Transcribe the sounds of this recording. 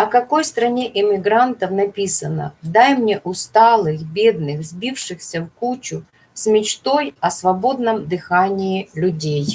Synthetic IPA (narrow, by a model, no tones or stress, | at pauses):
ɐkɐko̞jst̪ɾɐnʲe̞ʔɪmʲɪɡɾant̪əfnɐpʲisənə̰d̪ajmnʲe̞ʔʊst̪alˠɨxbʲed̪nɨxzbʲifʂɨxsʲəfkut͡ɕʊ | sʲmʲɪt͡ɕt̪o̞jɐsvɐbo̞d̪nəmd̪ɨxanʲɪɪlʲʊdʲej